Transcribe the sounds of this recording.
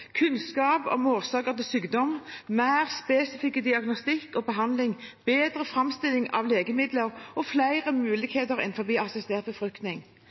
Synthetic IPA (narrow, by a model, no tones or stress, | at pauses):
kʰʉnskɑːpɔ̰moːʁsɑːkəʁt̪ɪsyːɡd̪ɔmmæɪʁspeːsɪfɪkːəd̪ɪɑɡnɔst̪ɪkːɔbəɦɑnd̪lɪŋb̥eːd̪ʁəfʁɑmst̪ɪlɪŋɑ̰ʋleːɡəmɪd̪ləʁʔɔflæɪʁəmʉːlɪkheːt̪əʁɛ̰nfɔʁbiːɑsɪst̪eːʁt̪̚bəfʁʉkt̪nɪŋ